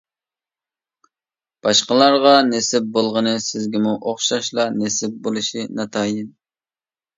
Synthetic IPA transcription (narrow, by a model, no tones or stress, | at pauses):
b̥ɑʃqəlˠɑɾʁɑnesɪp̚bolˠʁənɨsɪzɡʲimuʔoχʃɑʃlˠɑnesɪp̚bolˠɨʃinɑt̪ʰɑːjɪn